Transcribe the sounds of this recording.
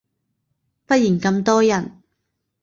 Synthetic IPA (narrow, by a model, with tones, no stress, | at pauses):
fɐ˥t̚jiː˨˩nkɐ˧mt̪ɔː˥jɐ˨˩n